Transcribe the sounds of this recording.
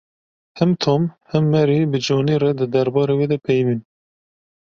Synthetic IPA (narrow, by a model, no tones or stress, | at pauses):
hɛmt̪ʰoːmhɛmːɛɾibɨd͡ʒɑːniːɾɛd̪ɨd̪ɛɾbɑːɾeːweːd̪ɛpʰɛjmin